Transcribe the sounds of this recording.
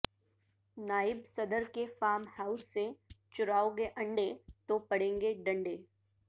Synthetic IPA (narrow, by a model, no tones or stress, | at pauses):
naːɪbsɐd̪əɾkefaːɾmhaːʊsːet͡ʃʊɾaːoɡeʔɐ̃ɳɖet̪opɐɽ̤ẽːŋɡeɖɐ̃ɳɖeː